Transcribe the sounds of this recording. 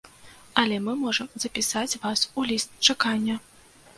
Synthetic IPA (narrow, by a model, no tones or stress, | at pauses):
ɐlʲɛmɨmɔʐɐmzɐpʲisat͡sʲvasulʲist̪t͡ʂakanʲːɐ